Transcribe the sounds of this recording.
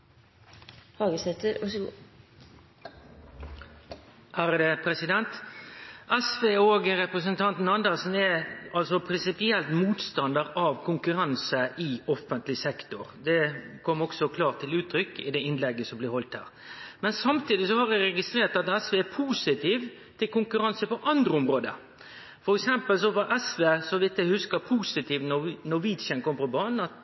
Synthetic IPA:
hɑːɡəsɛt̪əɾɑ | hæːɾəd̪əpʰɾɛsɪd̪ɛnt̪ | ɛsʋeːoːɡəɾɛpɾəs̬ənt̪ʰɑnt̪n̩ɑnd̪ɛsn̩ɛɑlsɔpʰɾɪnsɪpɪɛlt̪muːt̪st̪ɑnd̪əʁɑʋkʰʊŋkʉɾɑnsəʔɪɔfːənt̪lɪsɛkt̪ʊɾd̪ɛkʰɔmːɔksɔkʰlɑːʁt̪ʰːɪlʉːt̪ʰːɾʏkːɪ̰d̪ɛɪnlɛɡːəsɔmblɪhɔlt̪hæ̰ːɾ | mɛnsɑmt̪iːd̪ɪsɔhɑɾæɾɛɡɪst̪ɾeːʁt̪ɑt̪ɛsʋeːɛpʰuːsɪt̪ʰiːʋ | t̪ʰɪlkʊŋkʉɾɑnsəpɔʔɑnd̪ɾəɔmɾoːd̪ə̰ | fɔɾɛksɛmpəls̬ɔʋɑʔɛsʋeːsɔʋɪt̪ːæhʉskəpʰuːsɪt̪iːʋnɔnɔʋiːd̪sənkʰɔmːfɔbɑːnn̩ɑt̪

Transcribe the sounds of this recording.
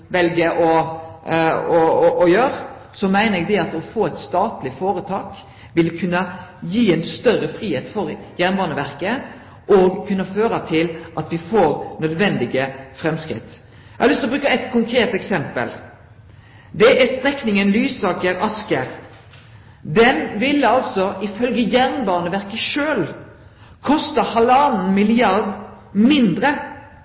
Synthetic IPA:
ʋɛlɡəʔɔ | ɔɔʔɔjøːɾ | sɔmæɪnəɾɛɡ̚d̪ɛɑt̪ɔfoːæɪt̪st̪ɑːt̪lɪfoːɾət̪ʰɑːk | ʋɪlkʰʉnːəjiːɛnst̪œrəfɾiːheːt̪fɔɾjæʁnʋɑːʁnəʋæʁkə | ʔɔɡkʰʉnːɑføːɾɑt̪ʰɪlʔɑt̪ʋɪfoːɾnœd̪ʋɛnd̪ɪɡəfɾɛmskɾɪ̰t̪ː | ɛhɑlʏst̪ɪlɔbɾʉːkəɛt̪kʰʊŋkʰɾeːt̪ɛksɛmpə̰l | d̪ɛʔæst̪ɾɛknɪŋənlyːsɑːkəɾʔɑskəɾ | d̪ɛnʋɪlːəɑlsɔʔɪfœlɡəjæʁnbɑːnəʋæʁkəʃøːl | kʰɔst̪əhɑlɑnn̩mɪlɪɑɾd̪ | mɪnd̪ɾə

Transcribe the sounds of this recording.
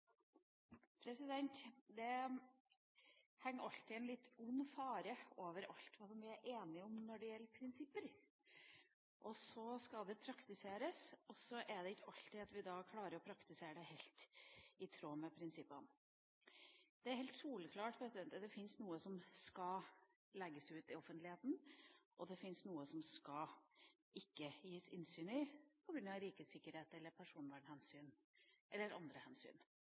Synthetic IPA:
pʰɾɛsɪd̪ɛnt̪d̪ɛ | hɛŋːəɾɑlt̪ɪɛnlɪt̪ːʊnːfɑːɾəoːʋəɾɑ̰lt̪ʋɑːsɔmʋɪæɾʔeːnɪʊmnɔɖɛjɛlːəɾpʰɾɪnsɪpːəɾ | ʔɔsɔskɑd̪ɛpʰɾɑkt̪ɪseːɾəsɔsɔʔæɖ̪ɛɪːɑlt̪ɪɑt̪ʋɪd̪ɑːkʰlɑːɾəɾɔpʰɾɑkt̪ɪseːɾəɖɛhɛlt̪ɪt̪ʰɾoːmɛpʰɾɪnsɪpːən | d̪̥ɛæɾhɛɪlt̪skuːləkʰlɑːʈpʰɾɛsɪd̪ɛnt̪əd̪ɛfɪnsnuːəsɔmskɑ | lɛɡːəsʉːt̪ɪɔfənt̪lɪheːt̪n̩ʔɔd̪ɛfɪnsnuːəsɔmskɑ | ɪkːəjiːəsɪnsyːnɪpʰɔɡɾʉnɑʋɾiːkəsɪkːəɾheːt̪ɛlːəɾpʰæʂuːnʋæːɳhɛnsyːn | ʔɛlːəɾɑ̰nd̪ɾəhɛnsy̰ːn

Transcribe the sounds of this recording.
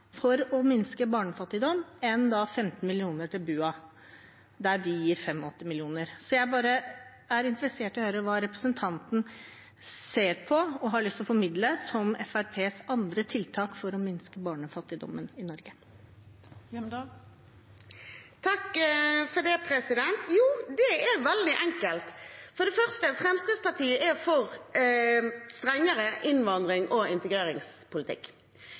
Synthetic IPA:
fɔɾɔmɪnskəbɑːɳəfɑt̪ːɪd̪ɔmːɛnd̪ɑfɛmt̪n̩mɪlɪuːnəʈʰɪlbʉːɑ | d̪æɾʋɪjiːɾfɛmɔɔt̪ːɪmɪlɪuːnəɾsɔjæɪbɑːɾə | æɾɪnt̪əɾəseːʈɔhøːɾəʋɑːɾɛpɾəsənt̪ʰɑnt̪n̩ | seːɾpʰɔɔɦɑɭʏst̪lɔfɔɾmɪd̪ləsɔmɛ̰fæɾpʰeːsɑnd̪ɾət̪ʰɪlt̪ʰɑːkfɔɾɔmɪnskəbɑːɳəfɑt̪ːɪd̪ɔ̰mːənɪnɔɾɡə | t̪ʰɑkfɔɖ̪ɛpʰɾɛsɪd̪ɛnt̪juːd̪ɛɛɾʋɛld̪ɪʔɛŋkəlt̪fɔɖ̪ɛfœʁst̪əfɾɛmsk̪ɾɪd̪spɑʈ̪ʰiːəʔɛfɔʁ | st̪ɾɛŋːəɾəʔɪnʋɑnd̪ɾɪŋʔɔɪnt̪əɡɾeːɾɪŋspʰʊlɪt̪ʰɪ̰kː

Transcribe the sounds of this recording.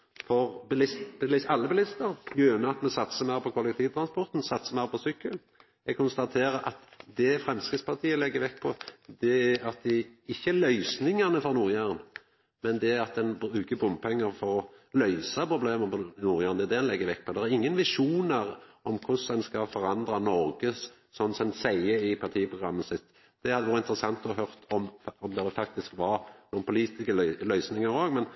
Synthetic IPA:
fɔɾbɪlɪsblɪɑlːəbɪlɪst̪əɾjøːnəɑt̪mɛsɑt̪səmæːpʰɔkʰʊlɛkt̪ʰiːʋt̪ʰɾɑnspɔɾt̪n̩sɑt̪səmæːɾpʰɔsʏkːəl | ɛɡkʰʊnst̪ɑt̪ʰeːɾəɾʔɑt̪d̪ɛfɾɛmskɾɪt̪spʰɑʁt̪ʰiːəlɛɡːəʋɛkːpʰɔd̪ɛæɑt̪̚d̪ɪɪçːəælœʏsnɪŋɑnəfɔɾnʊːɾjæːɾən | mɛnd̪ɛɑt̪̚d̪ɛnbɾʉːkəbʊmpʰɛŋːəɾfɔɾɔlœʏsɑpɾʁʊbleːməpɔnuːɾjæːɾənɛæd̪ɛd̪ɛnlɛɡːəʋɛk̚ːpʰɔd̪ɛʁæɾɪŋːənʋɪʂuːnəɾɔmkʰʊsɛnskɑfɔɾɑnd̪ɾɑnɔɾɡəs | sɔnːsɛnsæɪəɪpʰɑt̪ʰiːəpʰɾʊɡɾɑmːəsɪt̪ː | d̪̥ɛhɑd̪əʋoːɾəɪnt̪ɾəsɑŋt̪ɔɦœʁt̪ʰɔmɔmd̪ɛd̪ɛfɑk̚t̪ɪskʋɑɾnuːnpʰʊliːt̪ɪskəllœʏsnɪŋɑɾoːɡmɛn

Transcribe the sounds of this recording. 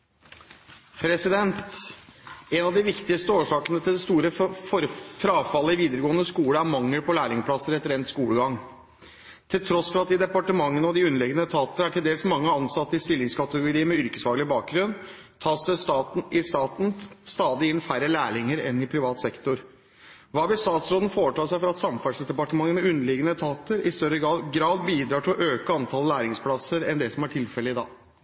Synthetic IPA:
pʰɾɛsɪd̪ɛnt̪ | ɛnɑʋd̪ɪʋɪkt̪ɪst̪əoːʂɑːkənət̪ʰɪld̪ɛst̪uːɾəfɔɾfɾɑːfɑlːəɪʋiːd̪əɾəɡoːənəskuːɽəæɾmɑŋːəlpʰɔlæːɭɪŋəpʰlɑsəɾɛt̪əɾɛnt̪skuːɽəɡɑŋ | t̪ʰɪlt̪ʰɾɔsfɔɾɑt̪̚d̪ɪd̪ɛpɑʈəmɑŋːənəɔd̪ɪʉnəlɛɡənət̪ʰɑːt̪əæʈʰɪld̪eːlsmɑŋːəɑnsɑt̪ːəɪst̪ɪlːɪŋskʰɑt̪əɡʊɾiːəmɛʏɾkəsʋɑːɡlɪbɑːk̚ɡɾʉn | t̪ʰɑːsd̪ɛst̪ɑːt̪n̩ɪst̪ɑːt̪n̩st̪ɑːd̪ɪɪnːfæɾəlæːɭɪŋəɾɛnɪpʰɾɪʋɑːt̪sɛkt̪ʊɾ | ʋɑːʋɪlst̪ɑːt̪sɾoːd̪n̩foːɾəʈʰɑːʂæɪfɔɾɑt̪sɑmfɑʂd̪ɛpɑʈəmɑŋːənmɛʉnːəlɪɡənət̪ʰɑːt̪əɾɪst̪œɾːəɡɾɑːɡɾɑːd̪biːd̪ɾɑːʈʰɪlɔʔøːkəɑnt̪ʰɑlæːɾɪŋspʰlɑsəɾɛnd̪ɛsɔmæʈʰɪlfɛləɪd̪ɑ̰ː

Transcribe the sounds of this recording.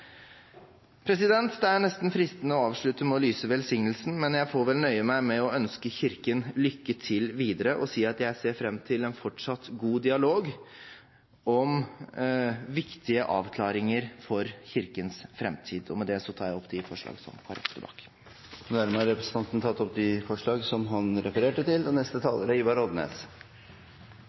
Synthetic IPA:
pʰɾɛsɪd̪ɛnt̪d̪ɛæɳɛst̪nfɾɪst̪ənəɔɑːʋʂɭʉt̪əmɛɔlyːsəʋɛlsɪŋnəlsn̩mɛnjæɪfoːɾʋɛlnœʏəmæɪmɛɔœnskəçɪɾkənlʏkːət̪ʰɪlʋiːd̪əɾəʔɔsiːɑt̪jæɪseːɾfɾɛmːt̪ʰɪlɛnfɔʈʂɑt̪ːɡuːd̪ɪɑloːɡ | ɔm | ʋɪkt̪ɪəʔɑ̰ːʋkʰlɑːɾɪŋəɾfɔɾçɪɾkənsfɾɛmt̪ʰiːd̪ɔ̰mɛd̪ɛsɔt̪ʰɑːjæɪɔpːd̪ɪfɔʂɭɑ̰ːɡsɔ̰mkʰɑɾɛ̰kt̪əbɑ̰ːk | nːæɾməɑɾɛpɾəsənɑnt̪nət̪ʰɑt̪ːɔp̚d̪ɪfɔʂɭɑːɡsɔmɦɑnɾɛfəɾeːʈət̪ʰɪlɔnɛst̪ət̪ʰɑːləɾəiːbɑɾɔd̪ənḛːs

